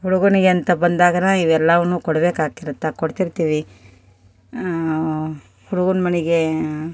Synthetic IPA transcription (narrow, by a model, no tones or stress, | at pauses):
ɦuɽuɡuniɡeɐnt̪ɐbɐnd̪aːɡɐnaːiʋɛlːɐʋɐnuːkɔɽɐbe̞ːkaːkiɾut̪ːɐkoɽt̪iɾt̪iːʋi | huɽuɡunmɐniɡe̞